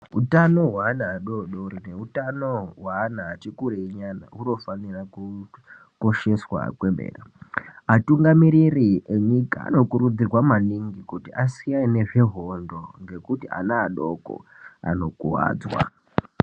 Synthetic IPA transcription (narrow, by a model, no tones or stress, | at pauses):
ɦutano̞ɦwaːnaːɗoɗoɾineutanoɦwaːnaːt͡ʃikuɾeiɲana̰uno̞faniraku | ko̞ʃe̞swa̰kwembḛːraatuŋɡamiɾirieɲika̰a̰no̞kuɾud͡zirwamaniŋɡikutiʔasijaneʐe̞ɦo̞ndo̞ŋɡe̞kutiʔa̰naːɗo̞ko̰a̰no̞kuwa̰ːd͡zwa̰